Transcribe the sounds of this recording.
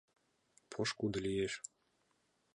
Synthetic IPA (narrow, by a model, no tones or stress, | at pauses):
pʰŏʃkud̪lijeʃ